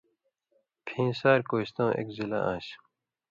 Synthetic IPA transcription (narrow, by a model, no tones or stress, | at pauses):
pʰĩːsaːɾkoːɕt̪õːʔḛkzila̰ãːɕ